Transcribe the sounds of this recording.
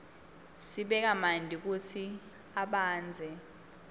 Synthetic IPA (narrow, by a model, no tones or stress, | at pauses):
siɓɛk̬amandʱik̬utʰi | aɓaːnd͡zʱɛ